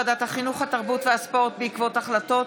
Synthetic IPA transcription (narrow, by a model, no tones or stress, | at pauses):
adat̪haχinuχhat̪aʁbutveaspo̞ʁtbeikvo̞taχlato̞